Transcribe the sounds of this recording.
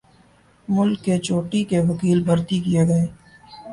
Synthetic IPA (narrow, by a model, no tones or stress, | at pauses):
mʊlkːet͡ʃoːʈikeʋɐkiːlbʱɐɾt̪ikijeɡɐeː